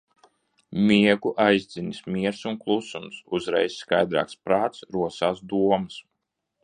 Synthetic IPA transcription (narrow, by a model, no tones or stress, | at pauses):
mʲiɛɡuʔajzd̪zinismiɛɾsunklˠusumsuzɾɛjsːkajd̪ɾa̰ːkspɾaːt̪sɾuɔsaːsd̪uɔmɨs